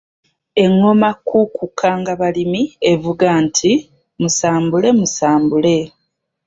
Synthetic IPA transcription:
e̞ŋːo̞makːukukʰːaŋɡaβalimie̞vuɡantʰi | musaːmbule̞musaːmbule̞

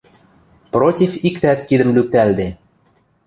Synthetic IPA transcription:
protʲifikt̪æt̪kid̪ə̆mlyk̚t̪æld̪e

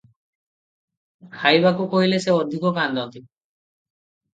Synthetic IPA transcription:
hajbakukoɦileseɔd̪ʱikɔkand̪ʱɔnt̪i

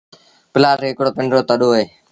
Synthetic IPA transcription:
pɪlaːɾɦɪkɽoːpɪɳɖɾoːt̪əɗoːɦeː

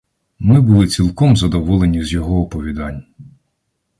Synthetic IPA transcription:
mɪbʊlˠɪt͡sʲilˠkɔmzɐd̪ɔʋɔlˠenʲizʲjɔɦɔːpɔʋʲid̪ɑnʲ

